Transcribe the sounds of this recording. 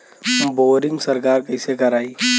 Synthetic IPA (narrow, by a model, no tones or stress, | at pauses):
boːɾɪ̃ŋɡsəɾkaːɾkəɪsekɐɾaːi